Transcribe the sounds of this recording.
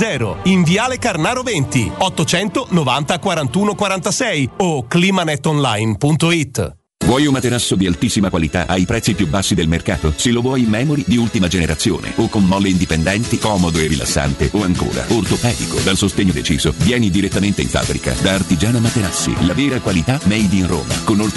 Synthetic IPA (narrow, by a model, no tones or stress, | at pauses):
ɛːɾo̰iɱviaːlekarnaːɾovent̪iɔt̪ːot͡ʃɛnt̪onovant̪akwaɾant̪uːnokwaɾant̪asɛjokliːmanɛt̪ːonlajnpunt̪oit̪ː | vwɔjunmat̪eɾasːod̪ialt̪isːimakwalit̪a̰ʔajpɾɛt̪sːipjubːasːid̪elmerka̰ːt̪oselːovwɔjmːɛːmoɾid̪iult̪imad͡ʒeneɾat̪sjo̰ːnḛokːonmɔlːeind̪ipend̪ɛnt̪ikɔːmod̪oerːila̰sːa̰nt̪eʔoaŋko̰ːɾa̰ort̪opɛːd̪iko̰d̪alsost̪eɲːod̪et͡ʃḭːzo̰vjɛːnid̪iɾet̪ːament̪eḭɱfa̰bːɾḭka̰d̪aːrt̪id͡ʒaːnamat̪eɾasːḭlaveːɾakwalit̪amɛjd̪iːnro̰ːma̰konolt̪